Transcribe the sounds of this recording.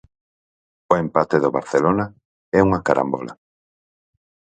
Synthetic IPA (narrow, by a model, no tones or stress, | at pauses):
ʊempat̪eðoβaɾθelona | ɛuŋɐkaɾʔa̰mbɔ̰lʔa̰